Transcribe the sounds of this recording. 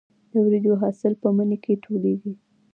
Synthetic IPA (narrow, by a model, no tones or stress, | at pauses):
d̪̥əwɾed̪oɦɑsɪlpəmənekʰeʈʰoleɡi